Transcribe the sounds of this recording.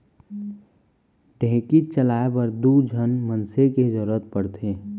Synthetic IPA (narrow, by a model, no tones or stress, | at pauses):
ʈẽːkit͡ʃəlaːebəɾd̪ud͡ʒʱənmənsekezəɾət̪̚pəɽt̪ʰeː